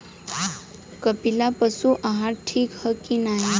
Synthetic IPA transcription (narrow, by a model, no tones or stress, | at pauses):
kəpilapəsuʔaɦaɾʈʰiːkhəkinaːɦi